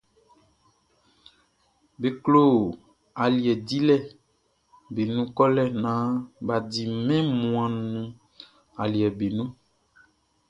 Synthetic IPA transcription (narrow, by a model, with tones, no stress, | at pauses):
be˨klo˦˨ | a˨li˨ɛ˨di˦lɛ˦ | be˨nũ˦kɔ˦lɛ˦nã˨˦ba˨di˨mɛ̃˦mũ˨ã˨nũ˨ | a˨li˨ɛ˨be˨nũ˦